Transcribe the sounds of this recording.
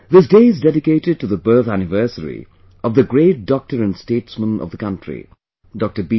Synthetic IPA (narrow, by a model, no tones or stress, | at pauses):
ðɪs̬deɪɪzdɛɾɪkeɪɾɪd̚ʈuðəbɜː˞θænɪvɜ˞səɹḭ | ʌvðəɡɹeɪt̚d̥ɔk̚təɹɨ̃nsteɪtsmə̃nʌ̰vðəkʌ̃ntʰɹḭ | dɔk̚tə˞bi